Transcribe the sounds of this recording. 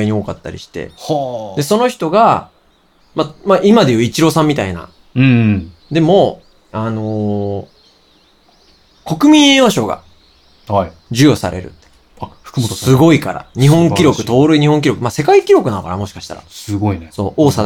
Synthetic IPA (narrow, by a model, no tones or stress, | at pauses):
iɲ̟io̞ːkat̪ːa̰ɾʲḭɕi̥t̪e̞̰hd̪e̞so̞no̞çi̥t̪o̞ɡa | mamaʔimad̪e̞jɯ̟ːit͡ɕiɾo̞sãmʲːit̪ainã̰ | d̪e̞mo̞ | ano̞ | ko̞kɯ̟mʲĩeoɕo̞ɡa̰ | hai | d͡ʑɨjosa̰ɾe̞̰ɾɯ̟̰t̪ːe̥ | ɸɯ̥kɯt̪sɨɡo̞ika̰ɾa̰ɲ̟iɦõ̞ŋkʲiɾo̞kɯ̟̥t̪o̞ːɾɯ̟iɲ̟ihõŋk̬ʲiɾo̞kɯ̟mase̞kaikʲiɾo̞kɯ̟nanokaɾa̰mo̞ɕi̥kḁɕi̥t̪a̰ɾa̰sɨɡoineso̞̰ːʔoːsa